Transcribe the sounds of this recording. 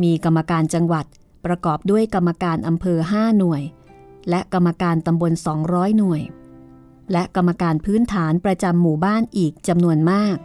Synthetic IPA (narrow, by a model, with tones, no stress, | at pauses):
miː˧ka˧mːa˧kaː˧nt͡ɕa˧ŋwa˨˩t̪̚ | pɾa˧kɔː˨˩p̚du˥˩əjka˧mːa˧kaː˧nʔa˧mpʰɤː˧ɦaː˥˩nu˨˩əj | lɛ˦˥ʔka˧mːa˧kaː˧nt̪a˧mbo˧nsɔː˩˦ŋɾɔː˦˥jnu˨˩əj | lɛ˦˥ʔka˧mːa˧kaː˧npʰɯː˦˥nt̪ʰaː˩˦npɾa˧t͡ɕa˧mːuː˨˩baː˥˩nʔiː˨˩k̚t͡ɕa˧mnu˧ənmaː˥˩k̚